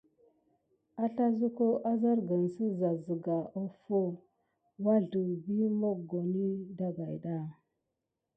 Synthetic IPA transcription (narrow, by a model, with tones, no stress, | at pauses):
a˦ɬa˦zu˦ko˦ʔa˦za˦ɾɡə˨nsə˦za˨zə˨ɡa˨ʔo˦fo˦ | wa˦ɮu˨bi˦mo˦k̚ɡo˨ni˦da˦ɡa˨jda˦˨